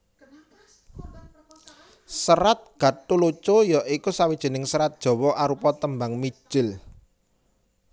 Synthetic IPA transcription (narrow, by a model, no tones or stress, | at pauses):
səɾat̪̚ɡ̥a̤t̪ulot͡ʃojɔʔikusawid̥ʒ̥e̤nɪŋsəɾat̪̚d̥ʒ̥ɔ̤wɔʔaɾupɔt̪əmbaŋmi̥ʒ̥ɪl